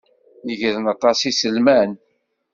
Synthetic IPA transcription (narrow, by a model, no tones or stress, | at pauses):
jəʝəðənɑt̪ˤɑsisəlmæn